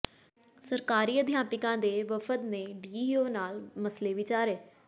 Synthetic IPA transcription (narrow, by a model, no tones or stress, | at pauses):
səɾkaːɾiːəd̪ʱɪjaːpɪkãːd̪eːʋəfʰət̪neːɖiːoːnaːlməsleːʋɪt͡ʃaːɾeː